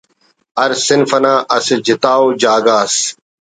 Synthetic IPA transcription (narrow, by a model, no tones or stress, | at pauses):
ɐɾsɪnfɐnaːʔɐsid͡ʑɪt̪aːod͡ʑaːɡaːs